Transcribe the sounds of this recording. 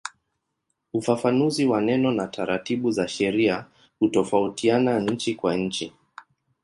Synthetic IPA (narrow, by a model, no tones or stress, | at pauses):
ufafanuziwanɛnɔnataɾatiɓuzaʃɛɾia | hutɔfautianaɲ̩t͡ʃikwaɲ̩t͡ʃi